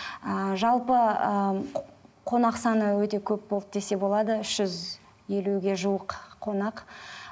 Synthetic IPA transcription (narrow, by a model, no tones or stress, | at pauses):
əʒɑlˠpəə | qʰo̞nɑqsɑnəwɵt̪e̞kʲʰɵp̚bolˠəp̚d̪e̞se̞bo̞lˠɑd̪əʏʃʒ̥ʏz | je̞luɡʲe̞ʒuwəqʰːo̞nɑq